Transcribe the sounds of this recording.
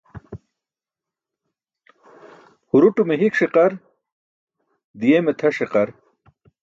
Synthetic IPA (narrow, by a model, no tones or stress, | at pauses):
huɾuʈumeɦikʂiqɐɾ | d̪ijemet̪ʰɐʂiqɐɾ